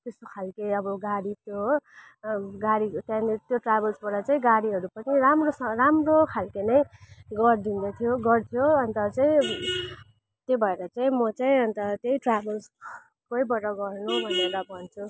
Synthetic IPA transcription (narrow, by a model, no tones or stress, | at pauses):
t̪est̪okʰalkeʌbʌɡaɽit̪joɦ | ɡaɽit̪ãnt̪joʈrabʌlsbʌɽʌt͡saĩɡaɽiɦʌɾupʌniɾamrosʌramrokʰalkenʌjɡʌrd̪ind̪ʌt̪ʰijoɡʌrt̪ʰijoʌnt̪ʌt͡saĩ | t̪jebʱʌeɾʌt͡saĩmʌt͡saĩʌnt̪ʌt̪jejʈrabels | koibʌɾʌɡʌrnubʱʌneɾʌbʱʌnt͡sʰu